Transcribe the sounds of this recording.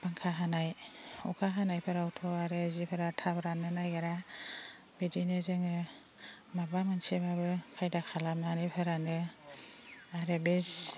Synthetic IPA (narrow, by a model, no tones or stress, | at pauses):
baŋkʰaɦanajukʰaɦanajpʰaɾawtʰɔaɾɯzipʰaɾatʰabɾanɯnajaɾa | b̥idinezɯŋɯ | mabamansemabɯkʰajdakʰalamnanipʰɯɾanɯ | aɾebez